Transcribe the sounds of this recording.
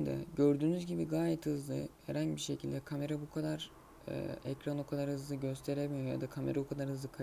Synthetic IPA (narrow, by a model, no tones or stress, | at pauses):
nd̪a̰ɟøɾd̪yːnyzɟibiɡaːjɛt̪hɯzlˠɯ̰heɾanɟbiɾʃecʰilʲd̪ɛkʰame̞ɾabukʰad̪aɾ | ɛ̰ɛcɾanokʰad̪aɾhɯzlˠɯɟø̞st̪ʰe̞ɾemijoja̰d̪akʰame̞ɾabukʰad̪aɾhɯzlɯkʰa